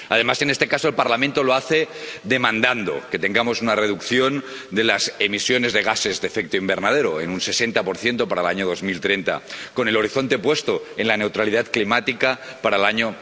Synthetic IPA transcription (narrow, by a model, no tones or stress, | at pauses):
a̰ðe̞mase̞ne̞st̪e̞kaso̞elpaɾlamẽnt̪o̞loaθeðe̞mãnd̪and̪o̞̰ke̞t̪e̞ŋɡamo̞sunare̞ðukθjo̞n | d̪e̞lasemisjo̞ne̞zðe̞ɣase̞zðefek̚t̪oimbe̞ɾnað̞eɾoḛnunse̞se̞nt̪apo̞ɾθje̞nt̪o̞paɾaelaɲoð̞o̞zmilt̪ɾe̞nt̪a̰ko̞ne̞lo̞ɾiθo̞nt̪e̞pwe̞st̪oenlane̞wt̪ɾaliðat̪klimat̪ikapaɾaelaɲo